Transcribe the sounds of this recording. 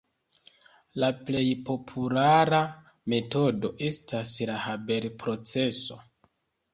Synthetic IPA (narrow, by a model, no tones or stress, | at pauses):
laple̞jpo̞pʰulaɾa | me̞to̞do̞ʔe̞staslahabe̞ɾpɾo̞t͡se̞so̞